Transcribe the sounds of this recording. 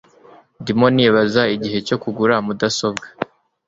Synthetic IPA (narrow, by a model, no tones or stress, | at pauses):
ndimo̞niːβazaiɟiɦe̞co̞kuɡuɾamudaso̞bɡa